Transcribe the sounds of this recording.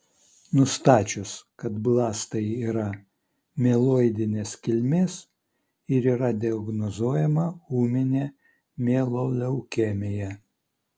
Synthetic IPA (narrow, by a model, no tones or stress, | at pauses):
nʊst̪ɑːt͡ʃʲʊskɐt̪blˠɑːst̪ɐɪiːɾɐ | mʲɛlˠoːɪd̪ʲɪnʲeːskʲɪlʲmʲeːs | ɪɾiːɾɐd̪ʲɛɔɡnɔzoːjɛmɐuːmʲɪnʲe | mʲeːlˠolʲɛʊkʲeːmʲejɛ